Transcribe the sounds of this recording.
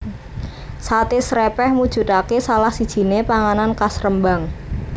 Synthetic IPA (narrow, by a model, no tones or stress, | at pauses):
sat̪esɾɛpɛhmud̥ʒ̥ṳt̪akesalahsid̥ʒ̥i̤nepaŋanankasɾəmbaŋ